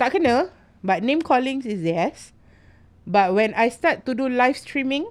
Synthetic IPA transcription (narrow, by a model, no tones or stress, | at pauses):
takənə | bat̚nẽmkʰɔlĩŋsisdɛs | bat̚wɛ̃nʔajstatːudulajfstɹĩmĩŋ